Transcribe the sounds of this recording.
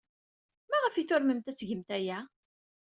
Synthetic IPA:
mæʁəfiθʊɾməmt̪æt͡sːʝəmt̪æjæ

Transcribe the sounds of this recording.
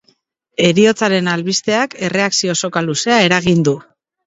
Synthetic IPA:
e̞ɾio̞t͡saɾe̞nalβist̪e̞ake̞re̞aksio̞so̞kaluse̞ae̞ɾaɣind̪u

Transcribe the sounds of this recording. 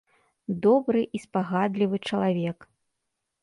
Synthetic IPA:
d̪ɔbɾɨʔispaɣad̪lʲivɨt͡ʂɐlˠavʲɛk

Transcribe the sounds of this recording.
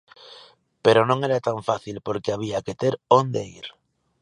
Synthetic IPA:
pe̞ɾonõŋe̞ɾat̪aɱfaθilpo̞ɾkeaβ̞iake̞t̪eɾond̪eiɾ

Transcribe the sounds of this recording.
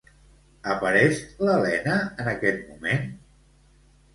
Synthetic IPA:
əpəɾɛʃləlɛnəːnəkɛt̪̚mumen

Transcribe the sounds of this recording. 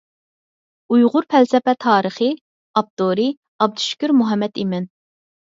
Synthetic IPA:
ujʁʊɾpɛlsɛpɛt̪ʰɑːɾəχɨ | ɑp̚t̪oɾɨ | ɑb̚d̪uʃy̥kʲyɾmuɦɛmːɛt̪imɛn

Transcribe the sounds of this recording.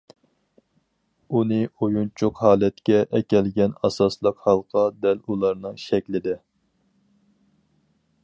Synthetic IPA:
unɨojunt͡ʃʰuqɦɑːlɛt̪kʲɛʔɛkʲɛlɡʲɛnɑsɑslˠəqhɑlˠqʰɑd̪ɛlulˠɑɾnɨŋʃɛkʲlɪd̪ɪ

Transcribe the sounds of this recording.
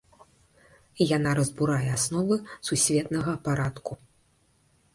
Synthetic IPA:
janaɾɐzbuɾajɛasnɔvɨsusʲvʲɛt̪nɐɣɐpaɾat̪ku

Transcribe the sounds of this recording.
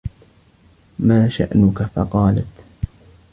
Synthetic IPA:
maːʃa̰ʔnʊkafɑ̰qɑːla̰t̪

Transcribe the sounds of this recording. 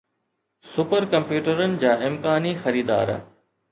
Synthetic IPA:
sʊpəɾkɐ̃mpjuːʈəɾənɪ̆d͡ʑaːɪmkaːnixɐɾiːd̪a̰ːɾ

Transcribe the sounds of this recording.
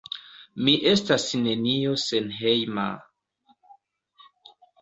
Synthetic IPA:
miʔe̞stasne̞nio̞senɦejma̰

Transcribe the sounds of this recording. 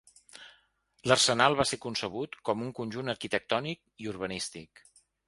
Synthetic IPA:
lərsənalˠβasekunsəβ̞ut̪kɔmuŋkunʲʒunəɾkit̪ək̚t̪ɔnik̚ | iuɾrβənist̪ik

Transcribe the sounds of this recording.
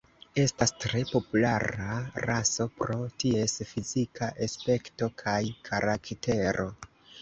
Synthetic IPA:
e̞stastɾe̞po̞pulaɾaɾaso̞pɾo̞tie̞sfizikʰaʔespe̞kto̞kʰajkʰaɾakte̞ɾo̞

